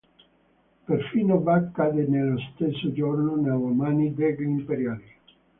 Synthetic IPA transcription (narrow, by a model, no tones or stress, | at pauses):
perfiːnovakːaːd̪enelːost̪esːod͡ʒornonawomaːnid̪eɡimpeɾjaːli